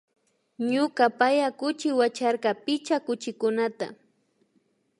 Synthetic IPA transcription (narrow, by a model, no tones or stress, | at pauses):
ɲʊkapajakʊt͡ʃɪwat͡ʃaɾkɑpɪt͡ʃakʊt͡ʃɪkʊnat̪a̰